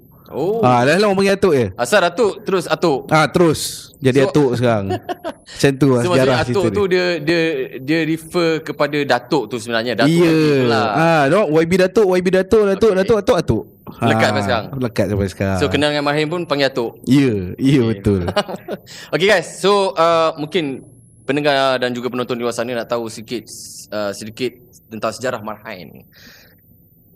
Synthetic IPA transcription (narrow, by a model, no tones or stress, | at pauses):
oalaahlaɦmapaŋɡiat̪oʔjəasadat̪ʊʔt̪əɾʊsat̪ʊʔʔat̪əɾʊsd͡ʒadiat̪oʔsəkaɾaŋt͡ʃant̪uaaɾahasiʊudiədiədiəɾifəkəpadadat̪ʊʔt̪usəbənaɾɲadaijəaãnɔʔwajbidat̪oʔwaibidat̪oʔdat̪oʔdat̪oʔat̪oʔat̪ʊʔ | ləkat̚sapajsəkaɾaŋləkat̪̚sapasə̥kaɾasokənaŋanmarɦanpʊnpaŋɡiat̪ʊʔiəijəbət̪ʊl | okeɡajsːoəmũŋkɪn | pənəŋadand͡ʒuɡapənɔnt̪ɔniluasanɲənaʔt̪ausədikɪt̪̚əsədikɪt̪̚ | t̪ənt̪aŋsəd͡ʒaɾahmarhajn